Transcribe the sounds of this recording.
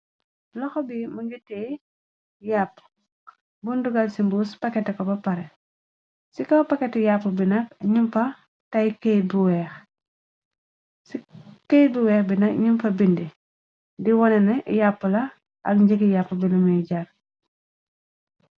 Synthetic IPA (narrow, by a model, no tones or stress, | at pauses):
lɔxɔbimuɡutːɛ | japː | bunduɡɐlsimbuspɐkɛtɛkɔbɐpɐɾɛ | sikɐwpɐkɛtɛjapːubinɐk̚ɲumfɐ | tɐjkɛjbuwɛːx | sikɛjbuwɛːxbinɐkɲumfɐbindi | diwɔnɛnɐjapːəlɐ | ʔɐ̰k̚ɲɟəkijapːəbilumijɟaɾ